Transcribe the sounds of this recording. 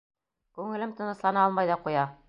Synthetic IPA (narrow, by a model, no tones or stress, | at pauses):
kʉŋɘ̆lɘmt̪ɤ̆nɤ̆slˠɑnɑɑlˠmɑjðɑqujɑ